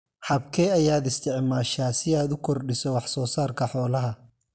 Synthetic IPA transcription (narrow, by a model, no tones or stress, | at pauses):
ħɐbkʰɛɐjaːd̪ɪst̪ʰɪʕmaːʃaːsɪaːd̪ʊkʰɔrɖɪsɔwɑħsɔːsaːrkʰɐħɔːlɐɦɐ